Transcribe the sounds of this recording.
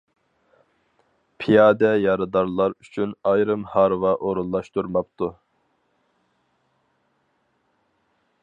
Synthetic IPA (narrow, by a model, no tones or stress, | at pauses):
pʰijɑːd̪ɛjɑɾɨd̪ɑɾlˠɑɾyt͡ʃʰynɑjɾɨmhɑɾvɑʔoɾulˠːɑʃt̪uɾmɑpt̪u